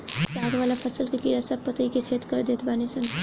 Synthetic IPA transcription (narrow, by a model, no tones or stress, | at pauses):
saːɡʋaːlapʰɐsəlkekiːɾasɐb̚pət̪əiket͡ʃʰeːt̪kəɾd̪eːt̪ʰbaːnesən